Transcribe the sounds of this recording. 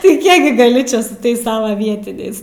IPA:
tɐɪ ˈkʲiɛk ɡʲɪ ɡɐˈlʲɪ ˈt͡ʃʲɛ sʊ ˈtɐɪs ˈsɑːʋɐ ˈʋʲiɛtʲɪnʲɛɪs

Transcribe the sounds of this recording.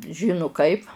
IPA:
ˈʒʲɪnʊ ˈkɐɪp

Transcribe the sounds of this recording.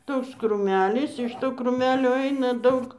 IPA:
ˈtoːks kruːˈmʲæːlʲɪs ɪʃ ˈtoː kruːˈmʲæːlʲoː ˈɐɪnɐ ˈdɐʊk

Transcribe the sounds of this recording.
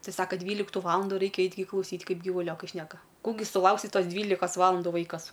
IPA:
ˈtɐɪ ˈsɑːkɐ ˈdʲʋʲiːlʲɪktʊ ˈʋɑːlˠɐndʊ rɐɪkʲɛ ˈɐɪtʲ ɡʲɪ klˠɐʊˈsʲiːtʲ ˈkɐɪp ɡʲiːʋʊˈlʲoːkɐɪ ˈʃʲnʲæːkɐ ˈkuː ɡʲɪ sʊˈlˠɐʊksʲɪ ˈtoːs ˈdʲʋʲiːlʲɪkɐs ˈʋɑːlˠɐndʊ ˈʋɐɪkɐs

